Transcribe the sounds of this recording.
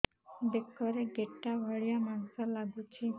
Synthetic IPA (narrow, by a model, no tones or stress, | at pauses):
ɖekɔɾeɡeʈːabʱɔɭijamansɔlaɡut͡ʃʰi